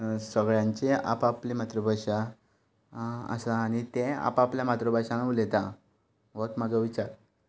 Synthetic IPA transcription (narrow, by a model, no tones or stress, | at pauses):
səɡɭjãɲt͡ɕea̰paplimat̪ɾəbʱaʂa | ə̰saːɽ̃it̪ẽa̰papljamat̪ɾəbʱaʂãnlet̪a | ʋot̪məd͡zəʋit͡ɕaɾ